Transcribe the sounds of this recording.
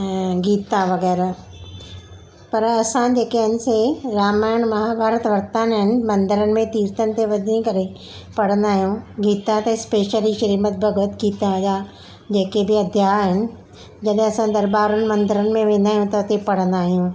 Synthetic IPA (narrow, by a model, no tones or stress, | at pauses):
ɡiːt̪ãʋɐɣɛːɾ | pɐɾɐsãd͡ʑeːkɐɦənɪ̆seɾaːmaːɪɽ̃mɐɦaːbʱaːɾət̪ʋɐɾt̪aːnɦɪnɪ̆mɐ̃nd̪əɾənɪ̆mẽt̪iːɾt̪ənɪ̆t̪eʋɐd̪ʱĩkɐɾe | pɐɽ̤ə̃nd̪aːɦijũɡiːt̪ãt̪ɐɪspeːʃəliʃɐɾiːmət̪̚bʱɐɡʊt̪ɡiːt̪ãd͡ʑaː | d͡ʑeːkebɪɐd̪ʱjaːɦɦɪnɪ̆ | d͡ʑɐɗɪ̃ɐsãd̪ɐɾbaːɾənɪ̆mɐ̃nd̪əɾənɪ̆mẽʋẽːn̆d̪aːɦijũt̪ɐʊt̪epɐɽ̤ə̃nd̪aːɦijũː